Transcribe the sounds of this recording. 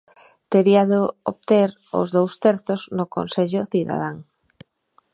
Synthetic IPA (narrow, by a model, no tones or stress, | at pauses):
t̪eɾiaðooβt̪eɾ | o̰zðowst̪ɛɾθʊznʊko̰nseʎʊθiða̰ð̞aŋ